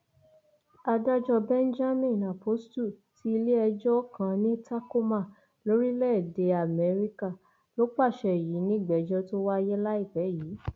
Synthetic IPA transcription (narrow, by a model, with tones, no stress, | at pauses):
a˧da˦d͡ʒɔ˧bɛ̃˦n̩˦d͡ʒa˦mĩ˦˨na˨po˨˦stu˦˨ti˨˦i˧le˦ɛ˧d͡ʒɔ˦kã˧nĩ˦ta˦ko˦mã˦˨ | lo˨˦ɾi˦lɛ˦˨de˨a˨mɛ˨˧˦ɾi˦ka˦˨ | lo˦k͡pa˦˨ʃɛ˨ji˨˦nĩ˦˨ɡ͡bɛ˨˦d͡ʒɔ˦to˦wa˦˧jɛ˦la˦i˦˨fɛ˨˦jiː˨˦